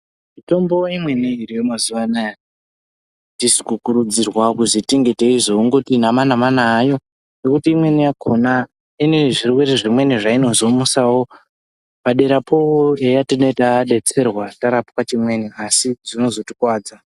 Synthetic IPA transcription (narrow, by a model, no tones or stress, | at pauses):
mito̞mbo̞imwe̞niiɾijomazuʋanaja | tisi̥kukuɾud͡zirwakuzitiŋɡeteizouŋɡo̞tinamanamanaːjo̞ | nekutiːmwe̞nijakʰo̞na | ineʐirwe̞ɾeʐimwe̞niʐaino̞zo̞musawo̞ | paɗe̞ɾapʰooejatino̞itaɗe̞t͡se̞rwataɾapukwat͡ʃimwe̞niasiʐino̞zo̞tikwaːd͡za